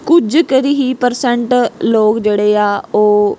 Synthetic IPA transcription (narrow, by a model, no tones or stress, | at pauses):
kʊd͡ʒkəɾiɦiːpəɾsɛɳʈloːkd͡ʒeːɽeːaːoː